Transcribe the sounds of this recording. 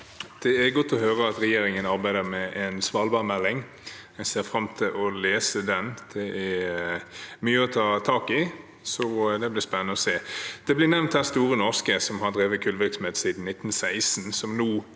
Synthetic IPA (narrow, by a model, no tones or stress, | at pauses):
d̪̥ɛæɾɡɔt̪ːɔɦøːɾəɑt̪ɾɛjeːɾɪŋənɑɾbæɪd̪əɾmɛʔɛnsʋɑːlbɑːʁmɛlːɪŋ | ɛseːɾfɾɑmt̪ʰɪlʔɔleːsəd̪ɛnd̪̥ɛʔæ | myːəɔt̪ʰɑːt̪ʰɑːkɪ | sɔd̪ɛblɪɾspɛnːənəɔseːd̪̥ɛblɪnɛʋnt̪̚hæst̪uːʁənɔʁskəsɔmɦɑɾd̪ɾeːʋəkʰʉːlʋɪɾksɔmheːt̪siːd̪n̩nɪt̪ːn̩sæɪsn̩sɔmnuː